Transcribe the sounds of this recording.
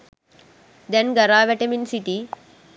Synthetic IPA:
d̪ɛ̃nɡɐɾaʋɛʈəminsiʈi

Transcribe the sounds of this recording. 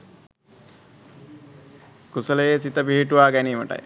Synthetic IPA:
kusələjesit̪əpiɦiʈuʋaːɡæniːməʈa̰j

